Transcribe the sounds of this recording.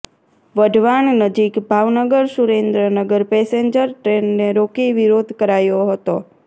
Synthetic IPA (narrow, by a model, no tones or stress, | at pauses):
ʋəɖʱʋannəd͡ʒikbʱaʋnəɡəɾsuɾend̪ɾənəɡəɾpɛseɲd͡ʒəɾʈɾenːeɾokiʋiɾod̪ʱkəɾajoɦət̪o